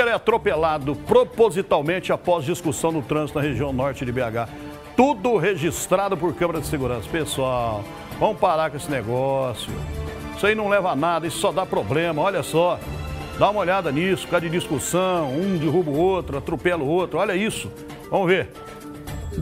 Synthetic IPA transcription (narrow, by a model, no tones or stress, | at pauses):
eɾɛat̪ɾopelad̪ʊpɾopozit̪awmẽt͡ʃɪapɔzd͡ʒiskusɐ̃w̃d̪ʊt̪ɾɐ̃zɪt̪ʊnɐheʒiɐ̃w̃nɔɾt͡ʃɪd͡ʒɪbeaɡa | t̪ud̪ʊɦeʒist̪ɾad̪ʊpʊɾkɐ̃meɾɐd͡ʒɪseɡuɾɐ̃sɐ̥pesuaw | vɐ̃mʊpaɾaɾkõesɪneɡɔsjʊ̰isainɐ̃w̃lɛvanad̪ɐisʊ̥sɔd̪apɾoblẽmɐɔʎɐsɔd̪aũmɐoʎad̪ɐnisʊ̥kad͡ʒɪd͡ʒiskusɐ̃w̃ũd͡ʒɪɦubʊot̪ɾʊat̪ɾopɛlʊot̪ɾʊɔʎɐisʊ | vɐ̃mʊveɾ